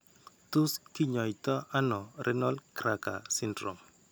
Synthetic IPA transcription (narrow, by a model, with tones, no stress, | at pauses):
tu˦ski˦ɲɔ˨jtɔ˦ʔa˦nɔ˨ɾʔɛ˦nɔ˦lkɾa˨ka̰˨sɪ˦ndɾɔ˨m